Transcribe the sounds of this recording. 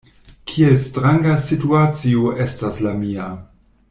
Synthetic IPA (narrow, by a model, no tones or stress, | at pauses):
kʰielstɾaŋɡasituat͡sioʔe̞staslamia